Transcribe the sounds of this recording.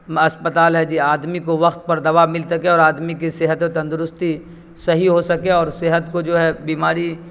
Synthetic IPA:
ɐspət̪aːlɦɛd͡ʒiːaːd̪mikoʋɐxt̪̚pɐɾd̪ɐʋamɪlsɐkẽɔːɾaːd̪mikisɛɦət̪et̪ɐ̃nd̪ʊɾʊst̪i | sɐɦiɦosɐkeɔːɾsɛɦət̪kod͡ʒoːɦɛbiːmaːɾi

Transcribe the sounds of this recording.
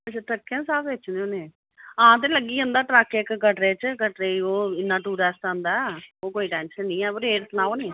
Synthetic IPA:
ət͡ʃat̪əkːjãːsaːbʋet͡ʃʰnd̪eõːneː | ãːt̪̬ẽːləɡːiːãːnd̪aːʈɾaːkeːkɡəʈɾeːt͡ʃəkəʈɾeːioːɪnːãːʈuːɾɛːsʈ̪ãːnd̪aːoːkoːiːʈɛ̃ːnʃənːĩːɛːpəɾeːʈt̪nãːoːnẽː

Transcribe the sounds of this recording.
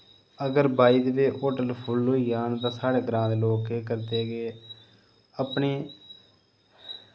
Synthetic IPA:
əɡəɾbaːiːd̪beːʔoːʈəlpʰʊloːiːaːnt̪ãːsaːɽeːɡɾãːd̪loːkeːkəɾd̪eːɡeː | əpɳeː

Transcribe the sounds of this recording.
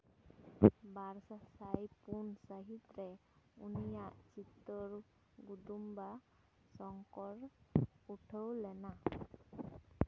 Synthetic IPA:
bʱaɾsasajpunsaɦit̪ɾɛunijaʔt͡ʃit̪ːɔɾ | ɡudumba | sɔŋkɔɾuʈʰəwlɛna

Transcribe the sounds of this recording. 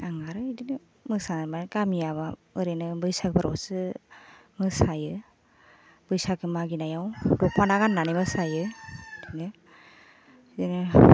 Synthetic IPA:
aŋaɾɯidinɯ | mɯsanamakamijaβaɯɾenɯbɯjsak̚baɾa̰wsɯ | mɯsajɯ | b̥ɯjsakɯmaɡinajawdɔk̚ʰpʰanaɡanːanemɯsajɯdinɯ | idinɯ

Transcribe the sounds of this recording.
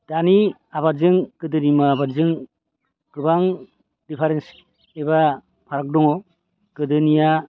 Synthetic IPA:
d̥ani | abazɯŋkɯdɯnimaːbazɯŋ | kɯbaŋ | dipʰaɾens | eba | pʰaɾak̚dɔŋɔ | kɯdɯnija

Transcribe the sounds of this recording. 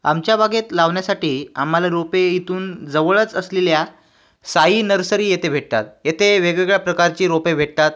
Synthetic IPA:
amt͡ɕjabʱaɡet̪laʋɳjasaʈiːa̰m̤ːalaɾopeit̪uːnd͡zəʋəɭət͡səslelja | saiːnəɾsəɾiːjet̪ʰebʱeʈ̚t̪at̪jet̪ʰeʋeɡʋeɡɭjapɾəkaɾt͡ɕiːɾopebʱeʈ̚t̪at̪̚

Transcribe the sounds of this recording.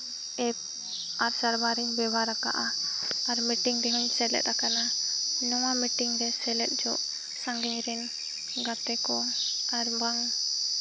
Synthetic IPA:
ɛp̚ | aɾsaɾbaɾiɲbɛbaɾaka̰ʔaːɾmiʈiŋd̪ɛɦuɲsɛlɛ̰t̪akananɔwamiʈiŋɾɛsɛlɛt̪̚ˀd͡ʒɔʔ | saŋɡɛɲɾɛn | ɡat̪ɛkɔaɾbaŋ

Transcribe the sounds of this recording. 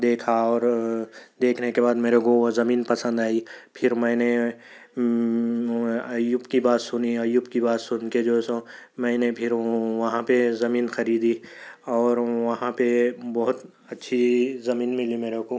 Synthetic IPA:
d̪eːkʰaɔːɾ | d̪eːkʰnekebaːd̪meːɾekoozɐmiːnpɐsə̃nd̪aːipʰɪɾmɛ̃ːne | ɐjubkibaːt̪sʊniɐjuːbkibaːt̪sʊnked͡ʒosõmɛ̃ːnepʰɪɾʋɐɦãpezɐmiːnxɐɾiːd̪iɔːɾʋɐɦãpebɔɦʊt̪ | ɐtːʃʰizɐmiːnmɪlimeːɾeko

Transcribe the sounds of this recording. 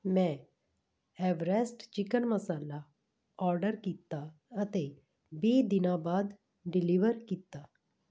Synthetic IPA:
mɛ̃ | ɛʋɾesʈt͡ʃikənməsaːla | ɔːɾɖəɾkit̪ːa | ət̪e | beːd̪inabaːd̪ | ɖiliʋəɾkit̪ːa

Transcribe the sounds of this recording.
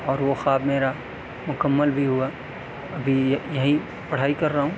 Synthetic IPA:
ɔːɾʋoxaːbmeːɾa | mʊkəmːəlbʱiɦʊa | ɐbʱijɐɦĩ | pɐɽ̤aːikɐɾːaɦũː

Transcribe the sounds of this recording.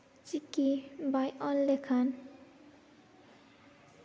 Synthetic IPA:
t͡sikibajʔɔlːekʰan

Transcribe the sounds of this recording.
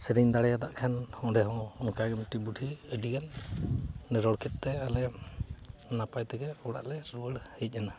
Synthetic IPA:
sɛɾiɲd̪aɽɛjad̪aʔkʰanhɔ̃dɛɦɔ̃ɔnkaɡɛmʈibuʈʰiəɖiɡanː | ɛɾɔɽkʰɛt̪̚t̪ɛalɛ | napajt̪ɛɡɛɔɽa̰ʔlɛɾuəɽhəc̚ˀana

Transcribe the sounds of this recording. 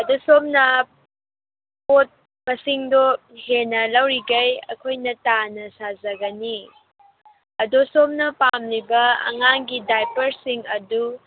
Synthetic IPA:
ɐdosomnɐ | pot̚ | mɐsiŋdo | henɐlɐwɾiɡɐjɐ̰kʰojnɐtanɐsazɐɡɐni | ɐdosomnɐpamlibɐɐ̰ŋaŋɡidajpɐɾsiŋɐdu

